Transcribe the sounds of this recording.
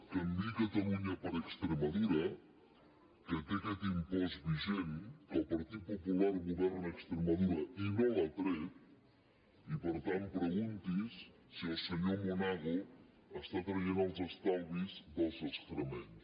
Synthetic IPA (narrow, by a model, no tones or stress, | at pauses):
kəmd̪ikət̪əluɲəpəɾəkst̪ɾəməðuɾə | kət̪ekɛt̪impɔzβiʒenəlˠpəɾt̪it̪̚pupulaɾɣuβɛrnəkst̪ɾəməðuɾəinolət̪ɾɛt̪ | ipəɾt̪anpɾəɣunt̪is | siəlˠsəɲɔmunaɣu | əst̪at̪ɾəjenəlˠzəst̪alˠβizd̪əlˠzəst̪ɾəmens